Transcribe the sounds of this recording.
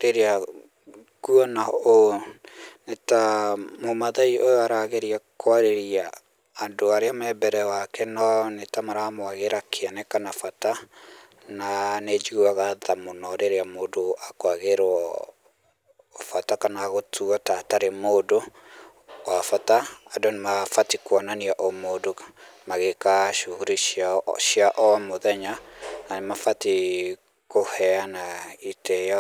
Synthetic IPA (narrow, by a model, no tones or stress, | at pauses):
ɾeɾea | kuɔnao | netamomaðaiʔojoaɾaɣeɾiakwaɾeɾiaː | ndoaɾeamɛbɛɾɛwakɛnɔnetamaɾamowaɣeɾakʰeanɛkanafata | naned͡ʒiuaɣaðamonɔɾeɾeamodoakoaɣeɾɔ | fatakanaɣotʰuatataɾemodo | wafataːdonemafatikwɔnaniaʔomodo | maɣekaʃuɣuɾiʃaʃiaʔɔmoðɛɲananemafati | kohɛanaiteja